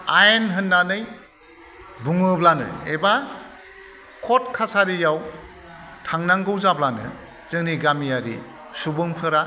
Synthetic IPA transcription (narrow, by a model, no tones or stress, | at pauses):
ajenɦɯnːanɯj | buŋɯblanɯ̰eba | kʰɔtkʰasaɾijaw | tʰaŋnaŋɡɯwzablanɯ̰ | zɯŋniɡamijaɾi | subɯŋpʰɯɾa